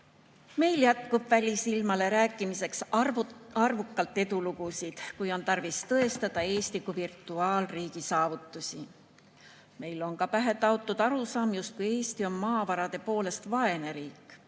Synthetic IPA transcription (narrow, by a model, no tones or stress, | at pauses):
me̞jljæt̪kub̥vælʲisilmɑle̞ɾæːkːˑimise̞ks | ɑrvukˑːɑlt̪ːˑe̞d̪ulukusid̪̥kujo̞nt̪ɑrvist̪ɤ̞e̞st̪ɑd̪̥ɑe̞ːst̪likːˑuvirt̪ːˑuɑːlriːɡ̥isɑːvut̪ːˑusʲi | me̞jlo̞nkɑpæɦe̞t̪ˑɑot̪ːˑud̪̥ɑɾusɑːmjust̪̚kuje̞ːst̪io̞nmɑːvɑɾɑd̪̥e̞po̞ːle̞st̪vɑe̞ne̞ɾiːkːˑ